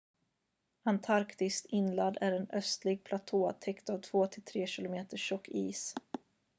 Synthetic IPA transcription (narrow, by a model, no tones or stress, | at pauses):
ant̪ʰaɾkt̪ɪskt̪ɪnlad̪æɾɛnœst̪lɪɡ̚pʰlat̪ʰoːt̪ʰɛkt̪avt̪ʰv̥oːt̪ʰɪlt̪ʰɾeːɕɪlʊmeːt̪əʂɔkːiːs